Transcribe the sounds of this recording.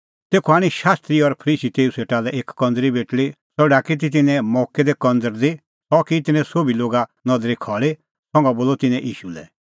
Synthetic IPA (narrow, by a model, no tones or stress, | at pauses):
t̪eːkʰɔaːɽ̃iʃaːst̪ɾiɔɾpʰəɾiːsit̪eːuseːʈalɛʔeːkkːɔ̃nd̪ɾibeːʈli | sɔɽakit̪̬it̪̬ɪnɛ̃mɔːkɛd̪ɛkɔ̃nd̪əɾd̪i | sɔkit̪ɪnɛ̃soːbiloːɡanɔd̪ɾikʰɔːɭe | sɔ̃ŋɡɔboːlɔt̪ɪnɛ̃ʔiːʃulɛ̰